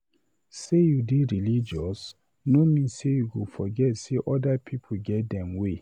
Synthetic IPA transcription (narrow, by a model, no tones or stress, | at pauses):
sejudiɹilid͡ʒɔs | nomĩnsejuɡofɔɡɛtseʔɔdapʰipʰoɡɛt̚dɛ̃mwe